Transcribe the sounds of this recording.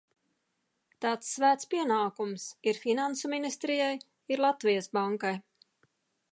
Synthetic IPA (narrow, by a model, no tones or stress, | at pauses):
t̪aːt̪sːvæːt̪spiɛnaːkumsiɾfinansuminist̪ɾijaj | iɾlˠat̪vijəsbaŋkaj